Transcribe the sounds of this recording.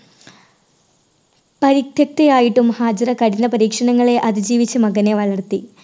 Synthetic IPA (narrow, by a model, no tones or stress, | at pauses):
pɐɾikt̪ʰjɐk̚t̪ejaːjiʈːumhaːd͡ʑɐɾɐkɐɽinːɐpɐɾiːkʂɐɳɐŋːɐɭe̞ʔɐðid͡ʑiːʋit͡ɕːɐmɐɣɐne̞ʋɐɭɐrt̪i